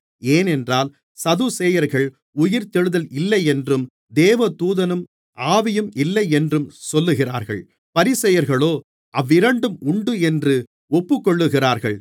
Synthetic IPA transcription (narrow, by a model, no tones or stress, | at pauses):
eːnɛndraːl | sɐðusɛjɐɾɣɐɭ | ʊjɪɾt̪ɛɻɯðɐlɪlːɐɪɛndrɯm | d̪eːʋɐt̪uːðɐnɯm | ʔaːʋɪjɯmɪlːɐɪɛndrɯmsɔlːɯɣɪra̰ːɾɣɐ̰ɭ | pɐɾɪsɐjɐɾɣɐɭoː | ʔɐʋːɪɾɐɳɖɯmʊɳɖɯɛndrɯ | ɔpːɯkːɔɭːɯɣɪraːɾɣɐ̰ɭ